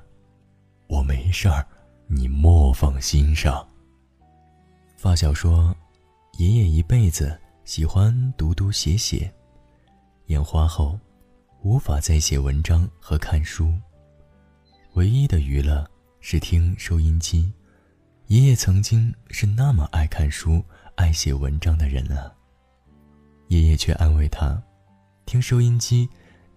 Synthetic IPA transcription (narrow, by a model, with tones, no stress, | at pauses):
wɔ˨˩me˧˥ɪʂa˥˩ | ni˨˩mwɔ˥˧fɑ˥˩ŋɕi˥nʂɑ˥˩ŋ | fa˥˩ɕ̬jɑ˨˩ʊʂwɔ˥ | jɛ˧˥jɛ˨˩i˧˥pe˥˩ɪd͡z̩˩ | ɕi˨˩xwa˥nt̪u˧˥t̪u˧˥ɕjɛ˧˥ɕjɛ̰˨˩˦ | jɛ˨˥˩nxwa˥xo˥˩ʊ | u˧˥fa˨˩t͡sa˥˩ɪɕjɛ˨˩wə˧˥nʈ͡ʂɑ˥ŋxɤ˧˥kʰa˥˩nʂu˥ | we˧˥ɪi˥d̪ə˨y˧˥lə˥˧ | ʂɻ̩˥˩t̪ʰi˥ŋʂo˥ʊi˥nt͡ɕi˥ | jɛ˥jɛ˥˩t͡sʰɤ˧˥ŋt͡ɕi˥ŋʂɻ̩˥˧na˥˩mə˨˩ʔa˥˧ɪkʰa˥˩nʂu˥a˥˩ɪɕjɛ˨˩wə˧˥nʈ͡ʂɑ˥ŋd̪ə˨ɻə̰˧˥nə˧ | jɛ˥jɛ˥˩t͡ɕʰɥɛ̰˥˧ʔa˥nwe˥˩ɪt̪ʰa˥ | t̪ʰi˥ŋʂo˥ʊi˥nt͡ɕi˥